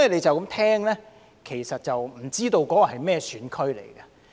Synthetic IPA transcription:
le˨˧jt͡sɐ˨wkɐ˨˥mt̪ʰɛː˥ŋlɛː˥ | kʰe˨˩jsɐ˨t̚t͡sɐ˨wm̩˨˩t͡siː˥t̪o˧wkɔː˨˦˥ɔ˨hɐ˨˩jmɛː˥˧syː˨˥nkʰɵ˥ɥlḛ˨˩jɡɐ˧

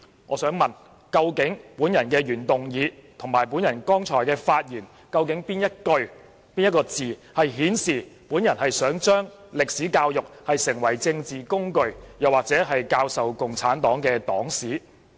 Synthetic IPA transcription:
ŋʔɔː˨˧sœː˨˥ŋmɐ˨˩n | kɐ˧wkɪ˨˥ŋpuː˨˥njɐ˨˩nkɛː˧jyː˨˩nt̪ʊ˨˩ŋjiː˨˧t̪ʰʊ˨˩ŋmaː˨˩jpuː˨˥njɐ˨˩nkɔː˥ŋt͡sʰɔː˨˩jkɛː˧faː˧t̚jiː˨˩n | kɐ˧wkɪ˨˥ŋpiː˥njɐ˥t̚kɵ˧ɥ | piː˥nj̚kɔː˧t͡siː˨hɐ˨jɦiː˨˥nsiː˨puː˨˥njɐ˨˩nhɐ˨jsœː˨˥ŋt͡ʃœː˥ŋ | lɪ˨k̚siː˨˥kaː˧wjʊ˨k̚hɐ˨jsɪ˨˩ŋwɐ˨˩jt͡sɪ˧ŋt͡siː˨kʊ˥ŋkɵ˧ɥjɐ˨˩waː˨k̚t͡sɛː˨˥ɦɐ˨jkaː˧wsɐ˨wkʊ˨ŋt͡sʰaː˨˥nt̪ɔː˨˥ŋkɛː˧t̪ɔː˨˥ŋsiː˨˥

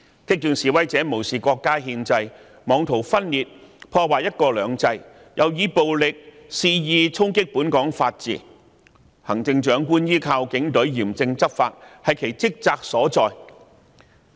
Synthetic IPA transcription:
kɪ˥k̚t̪yː˨nsiː˨˧wɐ˥jt͡sɛː˨˥mo˨˩wsiː˨kɔː˧kːaː˥ɦiː˧nt͡sɐ˧j | mɔː˨˧ŋt̪ʰo˨˩wfɐ˥nliː˨t̚pʰɔː˧waː˨jɐ˥t̚kɔː˧lœː˨˧ŋt͡sɐ˧j | jʔɐ˨wjiː˨˧po˨wlɪ˨k̚siː˧jiː˧t͡sʰʊ˥ŋkɪ˥k̚puː˨˥nkɔː˨˥ŋfaː˧t̚t͡sḭː˨ | hɐ˨˩ŋt͡sɪ˧ŋt͡ʃœː˨˥ŋkuː˥njiː˥kʰaː˧wkɪ˨˥ŋt̪ɵ˨˥ɥjiː˨˩mt͡sɪ˧ŋt͡sɐ˥p̚faː˧t̚hɐ˨˩jkʰe˨˩jt͡sɪ˥k̚t͡saː˧k̚sɔː˨˥t͡sɔː˨j

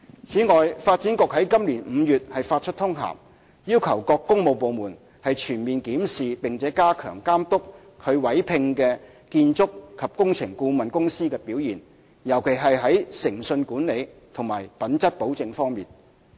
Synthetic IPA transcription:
t͡sʰiː˨˥ŋɔː˨jfaː˧t̚t͡siː˨˥nkɔː˧k̚hɐ˨˥jkɐ˥mliː˨˩nm̩ː˨˧jyː˨t̚hɐ˨jfaː˧t̚t͡ʃʰɵ˥t̪ʰʊ˥ŋɦa̰ː˨˩m | jiː˥wkʰɐ˨˩wkɔː˧kːʊ˥ŋmo˨˧wpo˨wmuː˨˩n | hɐ˨jt͡ʃʰyː˨˩nmiː˨nkiː˨˥msiː˨pɪ˨ŋt͡sɛː˨˥kaː˥kʰœ̰ː˨˩ŋkaː˥mt̪ʊ˥kʰ | ɵ˨˧ɥwɐ˨˥jpʰɪ˧ŋkɛː˧ | kiː˧nt͡sʊ˥kkʰːɐ˨p̚kʊ˥ŋt͡sʰɪ˨˩ŋkuː˧mɐ˨nkʊ˥ŋsiː˥kɛː˧piː˨˥wjiː˨˩n | jɐ˨˩wkʰe˨˩jɦɐ˨jɦɐ˨˥jsɪ˨˩ŋsɵ˧nkuː˨˥nle˨˧jt̪ʰʊ˨˩ŋmaː˨˩jpɐ˨˥nt͡sɐ˥t̚po˨˥wt͡sɪ˨˧ŋfɔː˥ŋmiː˨˩n

